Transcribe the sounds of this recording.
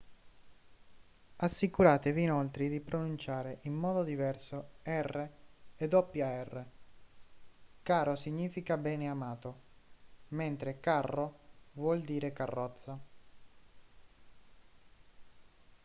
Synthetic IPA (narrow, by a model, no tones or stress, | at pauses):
asːikuɾaːt̪eviːnɔlt̪ɾid̪ipɾonunt͡ʃaːɾeʔimːɔːd̪od̪ivɛrsoɛrːeed̪ɔpːjaɛrːe | kaːɾosiɲːiːfikabɛːneamaːt̪o | ment̪ɾekarːovwɔld̪iːɾekarːɔt̪sːa